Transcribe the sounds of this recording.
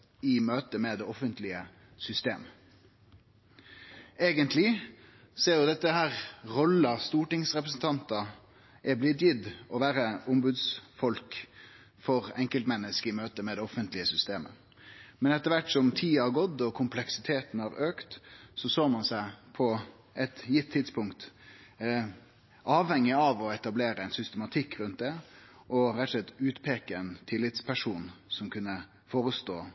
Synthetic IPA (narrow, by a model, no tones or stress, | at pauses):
ɪmøːt̪əmɛd̪ɛɔfənt̪lɪə | sʏst̪ḛːm | eːɡənt̪ʰlɪ | seːɾjʊd̪ɛt̪ːəhæːʁʁɔlɑst̪uːʈɪŋsʁɛpɾəs̬n̩t̪ʰɑnt̪ɑ | ʔɛblɪt̪̬jɪd̪ɔʋæːɾəʊmbʉd̪sfɔlk | fɔʁɛŋkəlt̪mɛnːəskəɪmøːt̪əmɛd̪ɛɔfənt̪lɪəsʏst̪eːmə̰ | mɛnɛt̪ːəɾʋæʈːsɔmt̪ʰiːɑɡɔt̪ːɔkʰʊmpʰlɛksɪt̪ʰeːt̪n̩hɑɾøːkt̪sɔsoːmɑnsæɪpʰɔ | ɛt̪jɪt̪ʰːɪd̪spʊŋkt̪ | ʔɑːʋhɛŋːɪɑʋɔɛt̪ɑbleːɾəɛnsʏst̪əmɑt̪ʰɪkːɾʉnt̪̚d̪ɛ | ʔɔɾɛt̪ːʂlɛt̪ːʉːt̪pʰeːkəɛnt̪ʰɪlːɪt̪spʰæʂuːnsɔmkʰʉnːə | foːɾəst̪oː